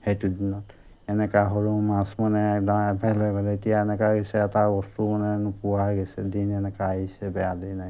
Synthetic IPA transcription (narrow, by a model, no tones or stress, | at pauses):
hetudinɔt | ɛnɛkaɦɔɹumãsmanɛkdaɛbʱɛlɛbʱɛlɛetijaɛnɛkaɡɛsɛːtabɔstumanɛnupuwaɡɛsɛdinɛnɛkaaɦisɛbɛadinaj